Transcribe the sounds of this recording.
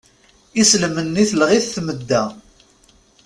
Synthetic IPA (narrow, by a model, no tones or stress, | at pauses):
isləmənːiθlʁiθθməd̪ːæ